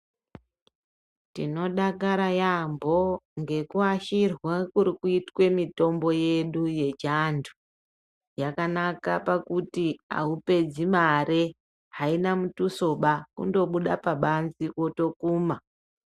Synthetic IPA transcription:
tino̞ɗakaɾajambo̞ŋɡe̞kuaʃirwakuɾikuitwe̞mito̞mbo̞je̞ɗuje̞d͡ʒandʱu̥ | jakanakapakutia̰upe̞d͡zimaɾe | ɦainamutuso̞ɓakṵndo̞ɓuɗapaɓanziwo̞to̞kuːma

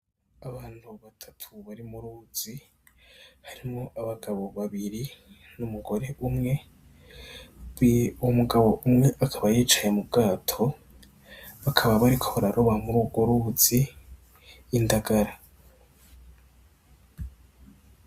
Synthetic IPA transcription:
aβaːn̥huβatʰḁtʰuβaɾimuɾuːz̥i | haɾimŋo̞ʔaβaɡaβo̞βaβiɾi | numuɡo̞ɾe̞ʔumŋe̞ | umuɡaβo̞ʔumŋe̞ʔakʰaβajiːt͡ʃaje̞mub̚ɡaːtʰo̞ | βakʰaβaβaɾikʰo̞βaɾaɾoβamuɾuɡoɾuz̥i | ndaɡaɾa

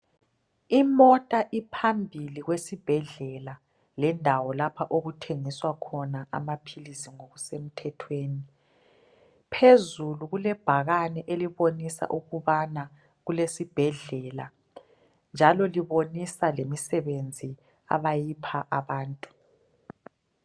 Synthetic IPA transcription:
imɔtʼaʔipʰambʱiliɣwesib̥ʱɛɮɛla | lɛndʱawɔlapʰaʔoɣutʰeŋiswakʰɔnaa̰mapʰilisiŋoɣusem̩tʰɛtʰweːni | pʰezuluɣulɛb̥ʱaɣanɛʔeliβonisa̰ʔuɣuβana | ɣulesib̥ʱɛɮɛla | nd͡ʒʱalɔliβonisalemisɛβend͡zʱi | a̰βajipʰaʔaβaːntʼu̥

